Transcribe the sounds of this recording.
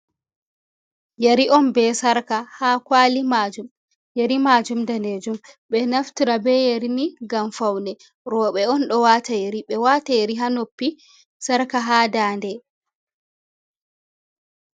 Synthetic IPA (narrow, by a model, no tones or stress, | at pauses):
jaɾiʔɔnbɛsaɾkahakwaːlimad͡ʒum | jaɾimad͡ʒumdaned͡ʒumɓɛnaftiɾabɛjeɾiniɡamfawnɛ | ɾɔɓɛɔnɗɔwatajeɾiɓɛwaːtajeɾiɦanopːi | saɾkaɦaːdaːndɛ